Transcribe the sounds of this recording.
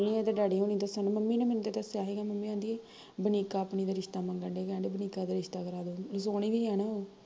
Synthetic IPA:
niːɛːt̪eːɖaːɽiːɦoːniːd̪əsənməmːiːnẽːmɛnːt̪eːt̪əsaːɦeːɡaːməmːiːãːnd̪iːe | bəniːkaːpniːd̪aːɾɪʃt̪aːməŋɡəɳɖeːkɛ̃ːɖeːbəniːkaːd̪aːɾɪʃt̪aːkəɾaːd̪oːls̬oːniːʋiːaːnaːoː

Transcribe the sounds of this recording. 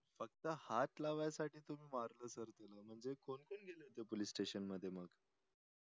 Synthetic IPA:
fək̚t̪əhat̪laʋajsaʈʰiːt̪umiːmaɾləːsəɾt̪eləm̤əɳd͡zekonkonɡʱeleɦot̪epoliːsːʈeɕənməd̪ʱːjeməɡ

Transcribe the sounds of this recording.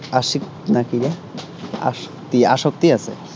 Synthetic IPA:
aʂik̚ | nakiɾa | a̰ʂ | t̪iaʂok̚t̪iasḛ

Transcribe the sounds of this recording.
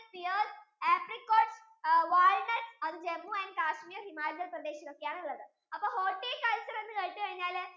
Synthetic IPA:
pijoːs | eːpɾikːoːʈs | ʋaːɻnɐʈsɐðɨd͡ʑemːuenkaːʂmijɐɾɦimaːlɐd̪ɐlprɐd̪eːɕɐɾokːejaːɳiɭːɐðɨ | ɐpːoːɦoːʈːiːkɐlt͡ɕɐɾenːɨkeɻʈ̪ːɨkɐɻiɲːaːl

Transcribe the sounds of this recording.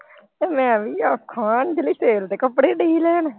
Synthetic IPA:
t̪eːmɛ̃ːʋiːaːkʰaːnd͡ʒəliːseːlt̪eːkəpːɽeːɖiːlɛːn

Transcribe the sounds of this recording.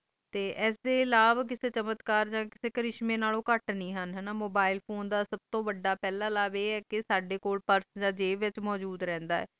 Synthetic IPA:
t̪eːʔɛːsd̪eːɪlaːʋaːk̬ɪseːt͡ʃəmət̪kaːɾd͡ʒãːkɪseːkəɾɪʃmẽːnaːlõːkəʈnĩːɦənɦɛnaːmoːbaːɪlpʰoːnd̪aːsəb̚t̪õːʋəɖːaːpɛːlaːlaːbeːɛːkɪsaːɖeːkoːlpəɾsd͡ʒãːd͡ʒeːʋɪt͡ʃmɔːd͡ʒuːd̪ɾɛ̃ːnd̪aːɛ̰ː

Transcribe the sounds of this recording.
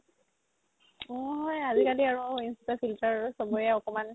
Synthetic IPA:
ɔ̃ɦɔjazikaliaɹuinsitɔpʰiltaɹausɔbɔjɛɔkɔman

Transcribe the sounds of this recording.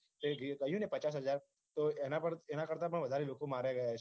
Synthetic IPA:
t̪eɡɡəjũnepət͡ʃas̬ɦəd͡ʒaɾ | t̪oenapəɳenakəɾt̪apəɳʋəd̪ʱaɾeʋokʰomaɾjaɡəja

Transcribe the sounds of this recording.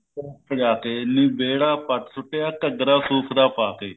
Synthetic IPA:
ɾaːpəd͡ʒaːkeːnĩːbeːɽaːpəʈsʊʈːeːaːkəɡɾaːsuːkʰd̪aːpaːkeː

